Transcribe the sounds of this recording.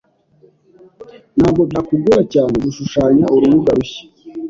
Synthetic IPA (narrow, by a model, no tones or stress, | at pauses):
nhaːbɡo̞bakuɡuɾacaːneɡuʃuʃaːɲauɾuβuɡaɾuɕi̥